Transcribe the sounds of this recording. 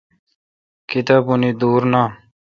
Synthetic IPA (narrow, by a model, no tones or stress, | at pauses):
kit̪apunid̪uːɾna